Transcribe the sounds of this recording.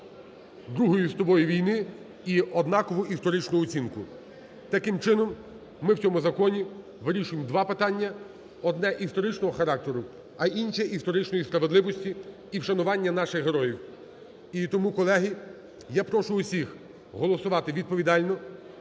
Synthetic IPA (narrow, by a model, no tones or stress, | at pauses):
d̪ɾuɦɔjist̪ɔbɔjiʋʲijnɪ | iɔd̪nɑkɔʋʊʔist̪ɔɾɪt͡ʃnʊːt͡sʲinkʊ | t̪ɐkɪmt͡ʃɪnɔmː | ɪwt͡sʲɔmʊzɐkɔnʲi | ʋɪɾʲiʃʊjemd̪ʋɑpɪt̪ɑnʲːɐ | ɔd̪nɛʔist̪ɔɾɪt͡ʃnɔɦɔxɐɾɑk̚t̪eɾʊ | ɐʔinʲʃɛʔist̪ɔɾɪt͡ʃnɔjispɾɐʋedlˠɪʋɔsʲtʲiː | wʃɐnʊʋɑnʲːɐnɑʃɪxɦeɾɔjiw | it̪ɔmukɔlˠɛɦi | japɾɔʃʊːsʲix | ɦɔlˠɔsʊʋɑt̪ɪʋʲid̪̚pɔʋʲid̪ɑlʲnɔ